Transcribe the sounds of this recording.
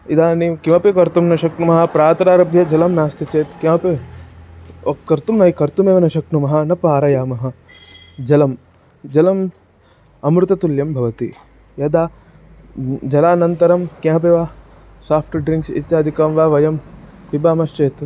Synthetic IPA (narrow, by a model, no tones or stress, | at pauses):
id̪aːnikiʋɐpekɐɾt̪umnɐʃɐkɳumɐɦɐ̆pɾaːt̪ɾaːɾɐbʱjɐd͡ʒɐlɐmnaːst̪it͡ʃeːt̪keɐpe | kɐɾt̪umnɐikɐɾt̪umeːʋɐnɐʃɐknumɐɦɐ̆nɐpaːɾɐjaːmɐɦɐ̆ | d͡ʒɐlɐm | d͡ʒɐlɐm | ɐmɾut̪ɐt̪uljɐmbʱɐʋɐt̪ḭ | jɐd̪aː | d͡ʒɐlaːnɐnt̪ɐɾɐmkɐ̃ɦɐp̬eːʋaː | saːpʈɖɾiŋksḭt̪jaːd̪ʱikɐːmʋaːʋɐjɐm | ʋibaːmɐst͡ʃeːt̪